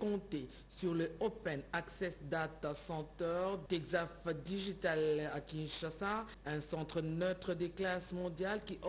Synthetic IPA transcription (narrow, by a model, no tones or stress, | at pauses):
kɔ̃t̪e | syʁləopɛnaksɛsd̪at̪asɑ̃t̪œʁt̪ɛɡzafd̪iʒit̪alakʲĩnʃasa | ɛ̃sɑ̃t̪χənøt̪χəd̪əklasmɔ̃d̪jalkiʔɔ